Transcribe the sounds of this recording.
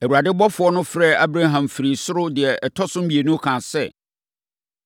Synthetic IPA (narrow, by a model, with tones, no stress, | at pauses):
æ˨u˨a˨dɪ˦bɔ˦fʊ˨˦ɔ˦nʊ̃˦fɾɛ˦˨a˦bɾa˦ɦã˨mfɪ˨ɾi˨sʊ˦ɾʊ˦dɪ˨ɛ˨ʔɛ˨tʰɔ˦sʊ̃˦m̩˦bi˨e˨nʊ̃˦kʰãː˨sɛ̰˦˨